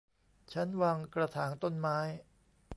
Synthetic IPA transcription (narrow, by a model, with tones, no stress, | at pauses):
t͡ɕʰa˦˥nwaː˧ŋkɾa˧t̪ʰaː˩˦nt̪o˥˩nmaː˦˥j